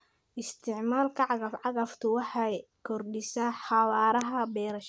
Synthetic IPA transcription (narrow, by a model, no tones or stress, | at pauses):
ʔɪst̪ʰɪʕmaːlkʰɐʕɑɣɐfʕɑɣɐft̪ʰʊwɑħɑj | kʰɔrɖɪsaːħɑwaːɾɐɦɐbɛːɾɐʃ